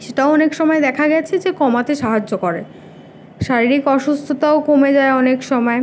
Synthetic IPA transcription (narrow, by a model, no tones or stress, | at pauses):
ʃeʈaoɔnekʃɔmɔed̪ɛkʰaɡɛt͡ɕʰed͡ʑekɔmat̪eʃaɦad͡ʑːokoɾe | ʃaɾiɾikɔʃust̪ʰot̪aokomed͡ʑaeɔnekʃɔmɔe